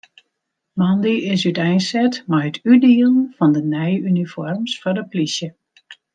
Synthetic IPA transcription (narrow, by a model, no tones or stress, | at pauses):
mɑndiɪsytɛjnsɛtmajətʰydiəlˠənfɑndənɛjynifɔrmsfɔrdəplisjə